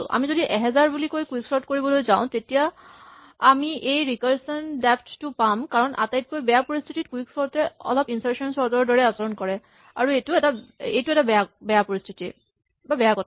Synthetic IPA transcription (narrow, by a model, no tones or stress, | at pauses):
la̰mizodiʔɛɦɛzaɹbulikojkuiksɔɹtkoɹibɔlojzaʊ̃tetijaː | miʔejɹikaɹsɔndɛpʰttupamkaɹɔnʔa̰tajt̚kojbɛjapoɹistʰitit̚kuwiksɔɹtɛɔ̰lɔpinsaɹsɔnsɔɹdɔɔɹdɔɹɛasɔɹɔnkɔɹɛ | aɹuejtuɛtaejtuɛtabɛjabɛjapoɹistʰitḭ | babɛjakɔt